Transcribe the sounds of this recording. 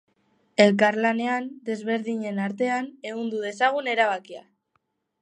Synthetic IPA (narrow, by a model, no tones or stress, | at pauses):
e̞lkaɾlane̞and̪e̞zβ̞e̞ɾðiɲe̞naɾt̪e̞ane̞ɣund̪uðe̞saɣ̞une̞ɾaβakia̰